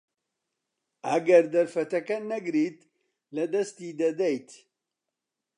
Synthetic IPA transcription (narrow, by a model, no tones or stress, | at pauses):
ɐɡɛɾd̪ɐɾfɐt̪ɐkɐnɐɡɨɾiːt̪ | lɐd̪ɐst̪iːd̪ɐd̪ɛjt̪